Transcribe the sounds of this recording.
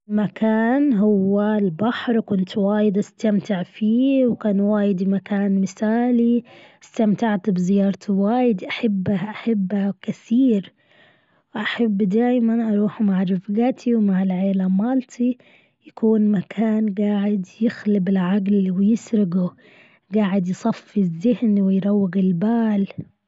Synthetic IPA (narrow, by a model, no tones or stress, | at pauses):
makʰaːnɦʊwːalbaħɾˤkʊnt̪waːjɪd̪ʔast̪amt̪ɪʕfiːwkaːnwaːjɪd̪imakaːnmɪsaːliɪst̪amt̪aʕt̪bɪzɪjɑːɾˤt̪ʰwaːjɪd̪iʔaħabːaʔaħabːakaθiːɾ | wʔaħabːd̪aːjmanʔɑɾˤuːħmaʕɾɪfɡat̪ʰiwmaʕɪlʕeːlamaːlt̪ʰi | jakuːnmakʰaːnɡaːʕɪd̪jɪxlɪbɪlʕaɡlwɪjɪsɾɪɡu | ɡaːʕɪd̪jsˤɑfizːɪhnwɪjɾˤɑwːɪɣɪlbaːl